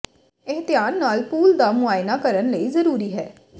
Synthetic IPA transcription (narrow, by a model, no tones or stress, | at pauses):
ɪɦt̪ɪjaːnːaːlpuːld̪aːmʊaːɪnaːkəɾənləiːzəɾuːɾiːɦɛː